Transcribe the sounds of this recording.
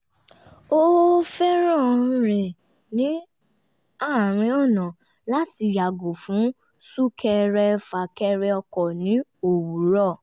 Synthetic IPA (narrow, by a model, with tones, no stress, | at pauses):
o˦fɛ˦ɾ̃ɔ̃˦˨ɾ̃ɛ̃˨ | nĩ˨˦ | a˦˨ɾ̃ĩ˧˦ɔ˦˨nã˨ | la˦ti˧ja˨ɡo˨fũ˨˦ | su˦kʰɛ˧ɾɛ˧fa˨kɛ˧ɾɛ˧ɔ˧kɔ˨nĩ˨˦o˨wu˨˦ɾɔ˦˨